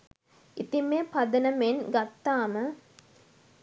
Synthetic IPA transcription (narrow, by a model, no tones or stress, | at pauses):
it̪imepɐd̪ənəmenɡɐt̪ːaːmə